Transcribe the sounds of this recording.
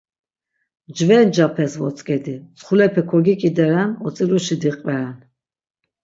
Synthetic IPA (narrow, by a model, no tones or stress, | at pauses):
d͡ʒvɛnd͡ʒapʰɛsvɔt̪t͡s̪ʼkʼɛd̪it͡sχulɛpʰɛkʰɔɡikʼid̪ɛɾanɔt͡s̪ʼiluʃid̪iqʼvɛɾɛn